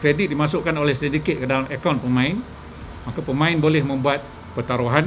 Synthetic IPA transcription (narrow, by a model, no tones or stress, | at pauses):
kɾedit̪̚dimasʊʔkanolɛhsindiket̪̚kədalamekanpəmãɪn | makapəmãɪnbolɛhmə̃mbuat̪̚ | pərt̪aɾuɦan